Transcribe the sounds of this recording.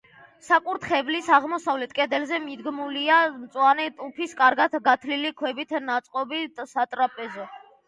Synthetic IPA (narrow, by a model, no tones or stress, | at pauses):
sakʼuɾt̪χɛblisaʁmɔsavlɛt̪ʰkʼɛd̪ɛlzɛmid̪ɡmuliamt̪sʼwanɛt̪ʼupʰiskʼaɾɡat̪ɡat̪ʰlilikʰwɛbit̪ʰnat̪sʼqʼɔbit̪sat̪ʼɾapʼɛzɔ